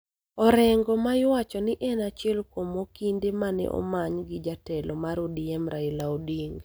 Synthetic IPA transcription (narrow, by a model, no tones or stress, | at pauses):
ɔɾɛŋɡɔmaɪwat͡ʃɔnɪʔɛnat͡ʃɪɛlkwomokindemanɛ̰ʔɔ̰maɲɡɪd͡ʒatɛlɔmaɾodiɛmɾaɪlaodiŋɡ